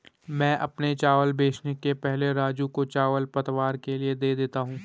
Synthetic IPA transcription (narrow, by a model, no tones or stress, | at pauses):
mɛ̃ːʔɐpnet͡ʃaːʋəlbeːt͡ʃnekepɛɦleɾaːd͡ʒũkot͡ʃaːʋəlpɐt̪ʋaːɾkelied̪eːd̪eːt̪aɦũː